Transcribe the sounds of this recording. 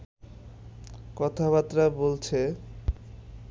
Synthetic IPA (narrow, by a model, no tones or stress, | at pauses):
kɔt̪ʰaβat̪ːɾabolt͡ɕʰe